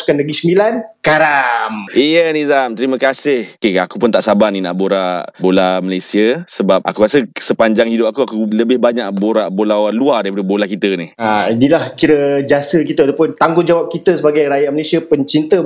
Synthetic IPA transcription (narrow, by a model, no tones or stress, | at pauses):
skanləɡisəmbilankaɾamijənizamt̪əɾimə̃kasɪhkeakupʊnt̪aʔsabanina̰ʔboɾabolaməlesiəsəbap̚ʔa̰kuɾasəsəpaɲd͡ʒaŋhidʊp̚akuakuləbɪhbaɲaʔ̚boɾaʔbolawaluadaɾipadəbolakit̪ənihainilahkiɾəd͡ʒasək̬it̪əat̪apʊnt̪aŋɡʊt̪d͡ʒawap̚kit̪əsəbaɡajɾajaʔməlesiəpəɲt͡ʃint̪ə